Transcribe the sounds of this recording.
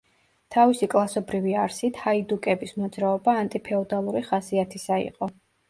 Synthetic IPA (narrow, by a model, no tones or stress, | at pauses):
t̪ʰavisikʼlˠasɔbɾiviaɾsit̪ʰhaid̪ukʼɛbismɔd̪zɾaɔbaːnt̪ʼipʰɛɔd̪alˠuɾiχasiat̪ʰisaḭqʼɔ